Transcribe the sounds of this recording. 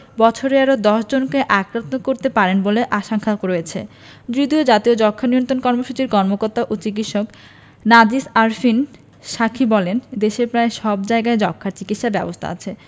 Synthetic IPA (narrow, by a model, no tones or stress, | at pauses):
bɔt͡ɕʰoɾeaɾod̪ɔʃd͡ʑonkeʔakɾant̪okoɾt̪epaɾenboleʔaʃaŋkʰakɾojet͡ɕʰḛ | d͡ʑod̪iod͡ʑat̪iod͡ʑɔkʰːanijont̪ɾonkɔɾmoʃut͡ɕiɾkɔɾmokoɾt̪ːaʔot͡ɕik̬itʃok | nad͡ʑiʃaɾfin | ʃakʰibɔlend̪eʃepɾaeʃɔbd͡ʑaeɡaed͡ʑɔkʰːaɾt͡ɕikit̪ʃaɾbɛbost̪ʰa̰a̰t͡ɕʰe